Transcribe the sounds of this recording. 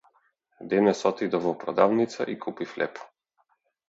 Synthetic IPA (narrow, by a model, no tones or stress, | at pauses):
d̪ɛnɛsɔt̪id̪ɔvɔpɾɔd̪avnit̪sa̰ʔikʰupiflɛ̰pɔ̥